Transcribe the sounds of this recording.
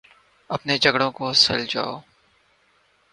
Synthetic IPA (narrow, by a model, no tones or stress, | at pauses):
ɐpned͡ʒɐɡɽõkosɐ̰ld͡ʒa̰ːoː